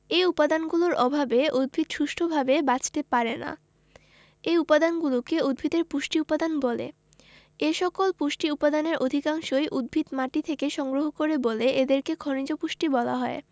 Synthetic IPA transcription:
eupad̪anɡuloɾʔɔbʱabeʔud̪̚bʱit̪ʃuʃʈʰobʱabebat͡ɕt̪epaɾena̰ | ejupad̪anɡulokeud̪̚bʱit̪eɾpuʃʈiupad̪anbɔlḛ | eʃɔkolpuʃʈiupad̪aneɾod̪ʱikaŋʃoeʔud̪̚bʱit̪maʈit̪ʰekeʃɔŋɡɾoɦokoɾeboleed̪eɾkekʰonid͡ʑopuʃʈibɔla̰ɦɔe

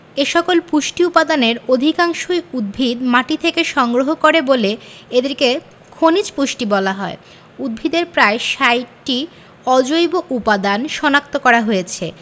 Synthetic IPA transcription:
eʃɔkolpuʃʈiupad̪aneɾod̪ʱikaŋʃojud̪̚bʱid̪maʈit̪ʰekeʃɔŋɡɾoɦokoɾeboleed̪eɾke | kʰonit͡ɕpuʃʈibɔlaɦɔe | ud̪̚bʱid̪eɾpɾaeʃajʈi | ɔd͡ʑojboʔupad̪anʃɔnak̚t̪okɔɾaɦojet͡ɕʰe

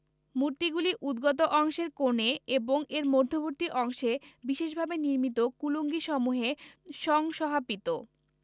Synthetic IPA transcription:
muɾt̪iɡuliʔud̪ɡɔt̪̬oʔɔŋʃeɾkoneeboŋeɾmoɾd̪ʱoboɾt̪iʔɔŋʃebiʃeʃbʱabeniɾmit̪okuloŋɡiʃɔmuɦeʃɔŋʃɔɦapit̪o

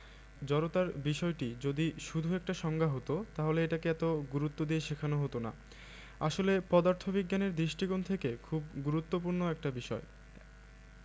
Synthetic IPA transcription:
d͡ʑɔɾot̪aɾbiʃɔeʈid͡ʑod̪iʃud̪ʱuɛk̚ʈaʃɔŋɡʱaɦot̪ot̪aɦoleeʈakeɛt̪oɡuɾut̪ːod̪ieʃikʰanoɦot̪ona̰ | aʃolepɔd̪aɾt̪ʰobiɡːaneɾd̪ɾiʃʈiɡont̪ʰekekʰub̚ɡuɾut̪ːopuɾnoɛk̚ʈabiʃɔ̰e

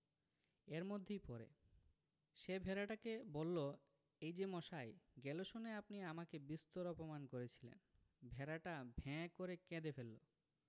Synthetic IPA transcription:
eɾmod̪ʱːejpɔɾḛ | ʃebʱɛɾaʈakebolːo | ejd͡ʑemɔʃajɡɛloʃoneapniamakebist̪oɾɔpomankoɾet͡ɕʰilḛn | bʱeɾaʈabʱɛ̃koɾekɛ̃d̪efelːo̰

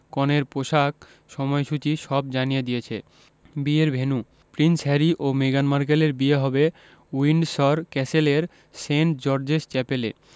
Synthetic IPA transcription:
kɔneɾpoʃak̚ | ʃɔmɔeʃut͡ɕiʃɔbd͡ʑanijed̪ijet͡ɕʰḛ | bieɾbʱenu | pɾinsɦɛɾiʔomeɡanmaɾk̬eleɾbieɦɔbe | wiɳɖsɔɾkɛseleɾ | seɳʈ̚d͡ʑɔɾd͡ʑeʃt͡ɕɛpelḛ

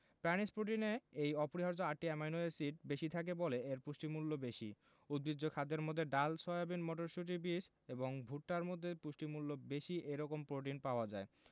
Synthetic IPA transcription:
pɛnispɾoʈ̬ineejɔpoɾiɦaɾd͡ʑoaʈːiemajnoesiʈ̚beʃit̪ʰak̬eboleeɾpuʃʈimulːobeʃi | ud̪̚bɾid͡ʑːokʰad̪ːeɾmod̪ʱːeɖalsɔabinmɔʈoɾʃuʈibis | eboŋbʱuʈʈaɾmod̪ʱːepuʃʈimulːobeʃiʔejɾɔkompɾoʈ̬inpaoad͡ʑae

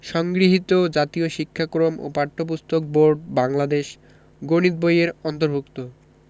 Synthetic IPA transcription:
ʃɔŋɡɾiɦit̪od͡ʑat̪ioʃikʰːakɾomʔo̰paɾʈʰːop̬ust̪ʰok̚boɾɖ̚baŋlad̪eʃ | ɡonit̪̚bojeɾɔnt̪oɾbʱukt̪o

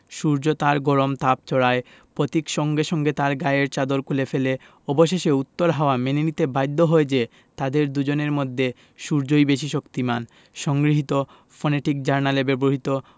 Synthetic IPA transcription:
ʃuɾd͡ʑot̪aɾɡɔɾomt̪ap̚t͡ɕʰɔɽae | pɾot̪ikʃɔŋɡeʃɔŋɡet̪aɾɡaeɾt͡ɕad̪oɾkʰulefele | ɔboʃeʃeut̪ːoɾɦaoamenenit̪ebajd̪ʱːoɦoed͡ʑe | t̪ad̪eɾd̪ud͡ʑoneɾmod̪ʱːe | ʃuɾd͡ʑojbeʃ̬iʃokt̪iman | ʃɔŋɡɾiɦit̪o | fɔneʈik̚d͡ʑaɾnalebeboɦit̪o

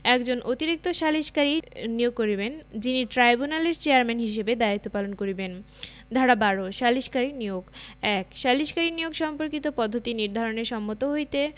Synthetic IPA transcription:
ɛkd͡ʑonʔot̪iɾik̚t̪oʃaliʃkaɾinijoɡ̚koɾibend͡ʑiniʈɾajbunaleɾt͡ɕeaɾmɛnɦiʃ̬ebed̪ait̪ːopalonkoɾiben | d̪ʱaɽabaɾoʃaliʃkaɾinioɡɛkʃaliʃkaɾinijoɡʃɔmpoɾkit̪opɔd̪ʱːot̪iniɾd̪ʱaɾoneɾʃɔmːot̪oɦojt̪e

